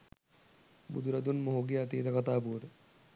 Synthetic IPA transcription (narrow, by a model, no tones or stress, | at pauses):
bṵd̪ʱuɾɐd̪unmoɦoɡiɐt̪iːt̪ɐkat̪aːpuʋəd̪ə